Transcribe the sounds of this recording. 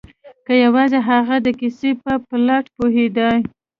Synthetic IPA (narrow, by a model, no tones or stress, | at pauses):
kəjawɑzeɦaɣad̪əkisepəplaʈpuɦed̪aj